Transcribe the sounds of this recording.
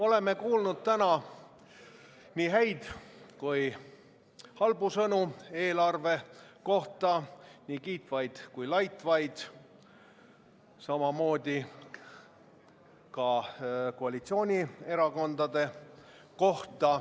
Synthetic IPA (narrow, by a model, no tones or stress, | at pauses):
o̞le̞me̞kuːlnud̪̥̚t̪ænɑ | niːɦæjd̪̥kuj | hɑlbusɤnue̞ːlɑrve̞ko̞ht̪ɑniːkiːt̪vɑjd̪̥kujlɑjt̪ˑvɑjd̪̥ | sɑmɑmo̞ːd̪̥ʲi | kɑko̞ɑlit̪sio̞ːnʲie̞ɾɑko̞nd̪ɑd̪̥e̞ | ko̞ht̪ɑ